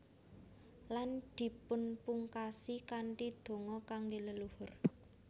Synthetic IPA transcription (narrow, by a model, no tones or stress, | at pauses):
land̪̥i̤pʊnpuŋkasikaɳʈid̪̥o̤ŋɔkaŋɡiləluhʊr